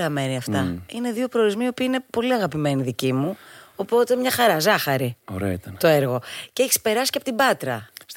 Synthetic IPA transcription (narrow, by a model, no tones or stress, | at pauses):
ɾɐme̞niɐft̪ɐine̞ðiopɾo̞oɾizmiio̞piɐine̞po̞liɐɣɐpime̞niðicimuo̞po̞t̪e̞mɲɐxɐɾɐzɐxɐɾio̰ɾeo̰it̪ɐnt̪oeɾɣo̞ceçispe̞ɾɐsi̥cɐpot̪ibɐt̪ɾɐs